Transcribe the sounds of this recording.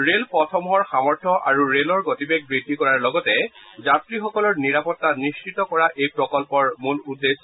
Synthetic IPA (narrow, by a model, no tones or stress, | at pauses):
ɹelpɔtʰɔmɦɔɹxamɔɹtʰɔʔaɹuɹelɔɹɡotibeɡ̚bɹitːikɔɹaɹlɔɡɔtɛzatɹixɔkɔlɔɹniɹapɔtːanist͡ʃitɔkɔɹaʔejpɹɔkɔlpɔɹmuludːes